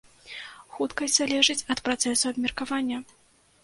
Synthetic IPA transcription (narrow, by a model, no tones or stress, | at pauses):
xut̪kɐsʲzalʲɛʐɨt͡sʲɐt̪pɾat̪sɛsuɐbmʲɛrkavanʲːɐ